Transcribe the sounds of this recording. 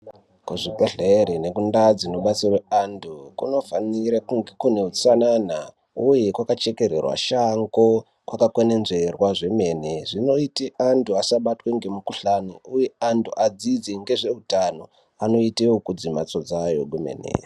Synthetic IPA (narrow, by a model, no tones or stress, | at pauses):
kuʐibʱeɮeɾine̞kundad͡zino̞ɓat͡sirweantʰukuno̞faniɾakuŋɡekune̞ut͡sanana | uje̞kwakat͡ʃe̞ke̞ɾḛrwa̰ʃaŋɡo | kwakakwene̞nzerwaʐe̞me̞ːneʐino̞iteʔantʰuasaɓatweŋɡe̞mukuɬaniuje̞antʰuʔad͡zid͡zeŋɡe̞ʐe̞ɦutano̞ | ano̞itewokud͡zimat͡so̞d͡zajo̞ɡumḛnḛ